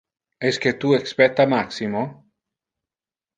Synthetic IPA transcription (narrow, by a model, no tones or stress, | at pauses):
esket̪uekspɛt̪ːamaksimo